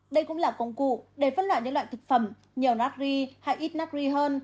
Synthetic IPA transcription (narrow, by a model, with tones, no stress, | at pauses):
ɗə˧jkʊ̰˧˥ŋ͡mlaː˨˩kə˧wŋ͡mkṵ˧˨ɗe˧˩fə˧˥nlwa̰ː˧˨jɲə̰˧˥la̰ː˧˨t̪ʰk̚fə˧˩m | ɲi˨˩wnaː˦˥k̚zi˧ha˧jʔi˦˥t̚naː˦˥k̚zi˧ɦəː˧n